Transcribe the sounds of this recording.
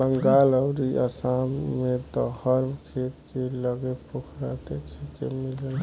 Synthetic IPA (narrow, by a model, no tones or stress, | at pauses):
bəŋɡaləwɾiʔə̰samːet̪ɔhəɾbkʰet̪keləɡepukʰɾat̪ekʰekḛmiləl